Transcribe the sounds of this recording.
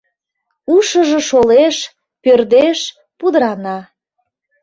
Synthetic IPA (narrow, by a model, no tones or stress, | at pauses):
uʃəʒĕʃoleʃ | pørd̪eʃ | pud̪əɾɑnɑ